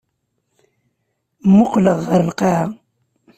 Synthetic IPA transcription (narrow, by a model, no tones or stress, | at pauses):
mːʊqləʁːəɾlqɑ